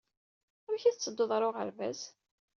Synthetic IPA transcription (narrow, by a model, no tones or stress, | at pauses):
ʊɾçæθt͡sːəd̪ːoðˤɾˤoʁə̰ɾvæ̰s